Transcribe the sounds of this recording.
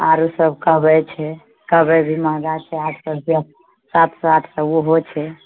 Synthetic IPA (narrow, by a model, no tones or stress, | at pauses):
a̰ɾusəbʱkəɦbɛt͡ʃʰɛ | kəɦbɛbʱimaɡat͡ʃʰɛad͡ʒsəɾbə | sat̪sat̪ʰsəɡuɦot͡ʃʰɛ